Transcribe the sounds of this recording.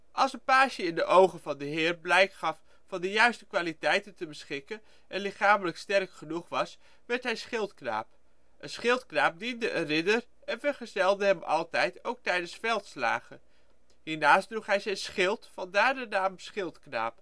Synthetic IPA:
ʔɑlˠsənpaːʃəɪndəʔowχənvɑndəɦɪːrblɛjkχɑf | fɑndəjœɥstəkʋaːlitɛjtəntəbəsχɪkən | ʔɛnlɪχaːmələkstɛrkχənuχʋɑs | ʋɛɹtɦɛjsχɪlˠtkna̰ːp | ʔənsχɪlˠtknaːp̚dindəʔənrɪdər | ɛnvəɹχəzɛlˠdəɦɛmɑ̰lˠtɛjtowk̚tɛjdənsfɛlˠtsla̰ːχə | ɦiːɹnaːsdruχɦɛjzɛjnsχɪlˠtfɑndaːɹdənaːmsχɪlˠtkna̰ːp

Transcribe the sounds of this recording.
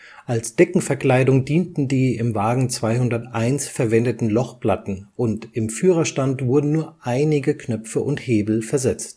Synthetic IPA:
ʔalsd̥ɛkŋ̩fɛɐkl̥aɪdʊŋdiːntn̩diːɪmvaːɡŋ̩t͡sv̥aɪhʊndɐtʔaɪnsfɛɐvɛndətn̩lɔχpl̥atn̩ʔʊntɪmfyːʁɐʃtantv̥ʊɐdn̩nuːɐʔaɪnɪɡəkʰnœfəʔʊntheːbl̩fɛɐzɛt͡st

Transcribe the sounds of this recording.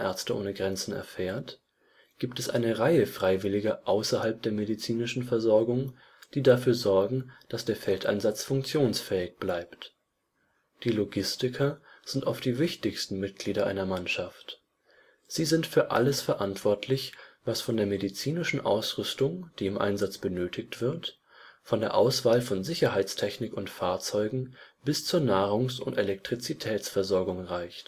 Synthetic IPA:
ʔɛ̰ɐt͡stəʔo̰ːnəɡʁɛnt͡sn̩ɛ̰ɐfeːɐt | ɡ̥iːptɛsʔa̰ɪnəʁaɪəfʁ̥aɪvɪlɪɡɐʔaʊsɐhalp̚d̥eːɐmedit͡siːnɪʃn̩fɛɐzɔɐɡʊŋ | d̥iːdafyːɐzɔɐɡŋ̩d̥asd̥eːɐfɛltʰʔa̰ɪnzat͡sfʊŋk̚t͡sjoːnsfɛːɪçb̥laɪpt | d̥iːloɡɪstɪkʰɐz̥ɪntʔa̰ʊftd̥iːvɪçtɪçstn̩mɪt̚ɡ̥liːɾɐʔa̰ɪnɐmanʃaft | z̥iːzɪntfyːɐʔa̰ləsfɛɐʔantv̥ɔɐtʰlɪçvasfɔndeːɐmedit͡siːnɪʃn̩ʔa̰ʊsʁʏstʊŋd̥iːɪmʔa̰ɪnzat͡sb̥ənøːtʰɪçtv̥ɪɐt | fɔndeːɐʔaʊsv̥aːlfɔnzɪçɐɦaɪt͡stʰɛçnɪkʊntfaːɐt͡sɔʏɡŋ̩b̥ɪst͡suːɐnaːʁʊŋsʊntelɛk̚tʁ̥it͡sitʰɛːsfɛɐzɔɐɡʊŋʁaɪçt

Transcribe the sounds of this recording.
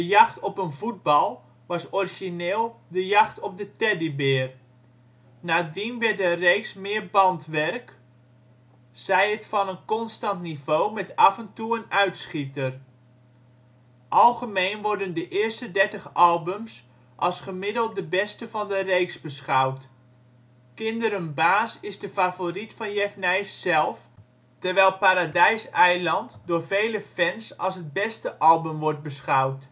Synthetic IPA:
dəjɑχtɔpənvud̚bɑlˠ | ʋɑsɔriʒineːlˠdəjɑχtɔp̚dətɛdibɪːr | naːədinʋɛt̚dərejksmɪːrbɑntʋɛrk | sɛjətfɑnənkɔnstɑntnivoːmɛtɑvəntuənœɥtsχitər | ʔɑlˠχəmejnʋɔɹdəndəʔɪːɹstədɛɹtəχɑlˠbəms | ʔɑlˠsχəmɪdəlˠt̚dəbɛstəvɑndərejksbəsχɑwt | kɪndəɾənbaːsɪzdəfaːvoritfɑnjɛfnɛjsːɛlˠf | təɹʋɛjlˠpaːɾadɛjsɛjlɑntdʊːɹvejləfɛnsɑlˠsɦəd̚bɛstəʔɑlˠbəmʋɔɹt̚bəsχɑwt

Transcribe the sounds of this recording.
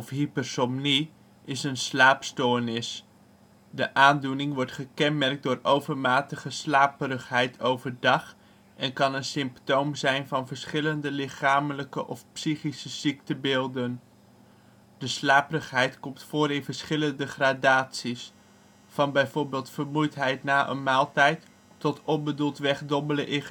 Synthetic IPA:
ɔfɦipəɹsɔmni | ʔɪsənslaːpstoːɹnɪs | dəʔaːndunɪŋʋɔɹtχəkɛnmɛrk̚dʊːrowvəɹmaːtəχəslaːpəɾəχɦɛjtʰowvəɹdɑχ | ʔɛnkɑnənsɪmptowmzɛjnvɑnvəɹsχɪləndəlɪχaːmələkəʔɔfpsiχisəz̥iktəbɪːlˠdən | d̥əslaːpərəχɦɛjtkɔmtfoːɾɪnvəɹsχɪləndəχradaːtsis | fɑnbɛjvoːɹbɪːlˠtfəɹmujtɦɛjtnaːʔə̰nmaːlˠtɛjtː | ɔtʰɔnbədulˠtʋɛχdɔbələʔɪ

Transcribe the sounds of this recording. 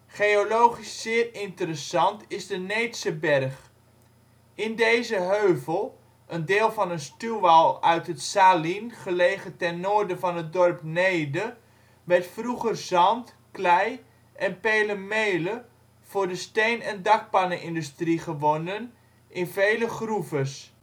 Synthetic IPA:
χeolowχisːɪːrɪntəɾəsɑntɪzdənejtsəbɛrχ | ɪndejzəɦøːvəlˠ | ʔəndɪːlˠvɑnənstyʋalˠœɥtɦətsaːlinχəlejχətɛnːoːrdəvɑnɦət̚dɔrpneːdə | ʋɛtfruχərzɑnt | klɛj | ʔɛnpeːləmejlə | v̥ʊːɹdəstejnɛndɑk̚panəʔɪndystriχəʋonən | ʔɪnvejləχruvəs

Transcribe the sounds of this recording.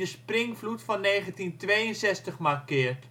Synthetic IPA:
əsprɪŋflutfɔnːeːχəntintʋejənsɛstəχmakɪːrt

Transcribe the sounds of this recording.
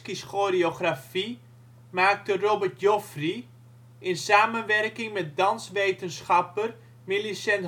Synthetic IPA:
kiskorioχrafi | maːk̚tərobərtjofri | ɪnsaːmənʋɛrkɪŋmɛt̚dɑnsʋejtənsχɑpər | milisɛn

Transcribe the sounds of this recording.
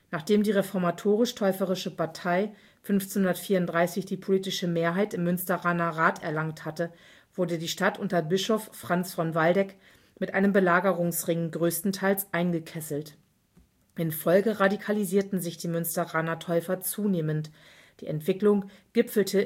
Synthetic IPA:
naːχd̥eːmdiːʁefɔɐmatʰoːʁ̞ɪʃtʰɔʏfəʁɪʃəpʰaɐtʰaɪ | fʏnft͡senhʊndɐtfiːɐʊntd̥ʁaɪsɪçd̥iːpʰoliːtɪʃəmeːɐɦaɪtɪmːʏnstɐʁaːnɐʁaːtɛ̰ɐlaŋthatə | v̥ʊɐdədiːʃtatʔʊntɐbɪʃofːʁ̥ant͡sfɔnvaldɛk | mɪtʔa̰ɪnəmbəlaːɡəʁʊŋsʁɪŋənɡʁøːstn̩tʰaɪlsʔaɪnɡəkʰɛsl̩t | ʔɪnfɔlɡəʁadikʰaliziːɐtn̩zɪçd̥iːmʏnstɐʁaːnɐtʰɔʏfɐt͡suːneːmənt | d̥ḭːɛntv̥ɪklʊŋ | ɡ̥ɪpfl̩tʰə

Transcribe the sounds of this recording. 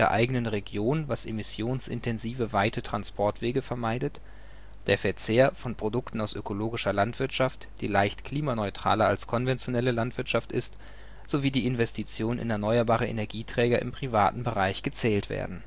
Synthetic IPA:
eːɐʔa̰ɪɡənənʁeɡjoːnvasʔemɪsjoːnsɪ̰ntʰɛnziːvəvaɪtʰətʁ̥anspʰɔɐtv̥eːɡəfɛɐmaɪdət | d̥eːɐfɛɐt͡seːɐfɔnpʁ̥odʊktn̩aʊsʔøkʰoloːɡɪʃɐlantv̥ɪɐtʃaftd̥ḭːlaɪçtkʰl̥iːmanɔʏtʁ̥a̰ːlɐa̰lskʰɔnvɛnt͡sjonɛləlantv̥ɪɐtʃaftʔɪst | z̥oviːdiːɪnvɛstʰit͡sjoːnənʔɪ̰nɛɐnɔʏɐbaːʁəʔḛnɛɐɡiːtʁ̥ɛːɡɐʔɪ̰mpʁ̥ivaːtn̩bəʁaɪçɡ̥ət͡sɛːltv̥ḛːɐdn̩

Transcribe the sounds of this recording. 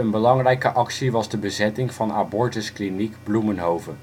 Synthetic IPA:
ənbəlɑŋrɛjkəʔɑksiʋɑzdəbəzɛtɪŋv̥ɑna̰bɔɹtəsklinikblumənɦowvə

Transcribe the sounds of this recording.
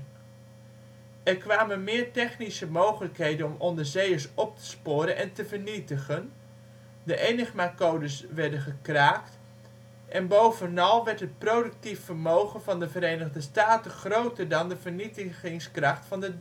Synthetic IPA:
ɛrkʋaːmənmɪːɹtɛχnisəmowχələkɦejdənɔmʔɔndəzejəɹsɔp̚tʰə̥spʊːɾənʔɛntəvəɹnitəχən | dəʔejnɪχmakowdəsʋɛɹdəχəkraːkt | ʔɛnbowvənɑlˠʋɛɹtɦət̚prowdək̚tifːərmowχənvɑndəvəɾejnəɣdəstaːtənχrowtərdɑndəvərnitəχɪŋskrɑχtfɑnə

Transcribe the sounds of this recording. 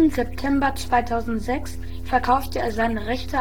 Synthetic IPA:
nzɛp̚tʰɛmbɐt͡sv̥aɪtʰaʊzn̩tz̥ɛks | fɛɐkʰaʊftəeːɐzaɪnəʁɛçtʰə

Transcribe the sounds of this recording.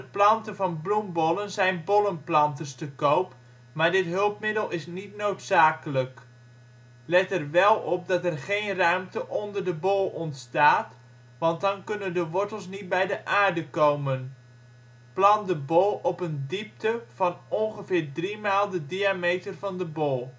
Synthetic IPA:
əplɑntəvɑnblumbɔlˠənzɛjnbɔlənplɑntəstəkowp | maːɹdɪtɦɵlˠpmɪdəlˠɪsnitnowtsaːkələk | lɛtɛrʋɛlˠɔp̚dɑtɛrχejnrœɥmtəʔɔndərdəbolˠɔntstaːt | ʋɑnt̚dɑnkʏnəndəʋɔɹtəlˠsnit̚bɛjdəʔaːɹdəkowmən | plɑndəbolˠɔpəndip̚təv̥ɑnɔnχəvɪːɹdrimaːlˠdədiamejtərvɑndəbolˠ

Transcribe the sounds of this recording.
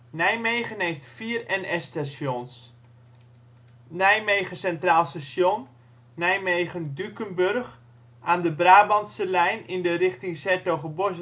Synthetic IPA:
nɛjmejχənɦejftfiːərɛnɛstasjons | nɛjmejχəsɛntraːlˠstasjonː | ɛjmejχəndykənbørχ | aːndəbraːbɑntsəlɛjnɪndərɪχtɪŋsɛɹtoχəbɔs

